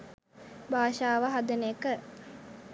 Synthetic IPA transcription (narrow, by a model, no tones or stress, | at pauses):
baːʃaːʋəɦad̪ənəəkə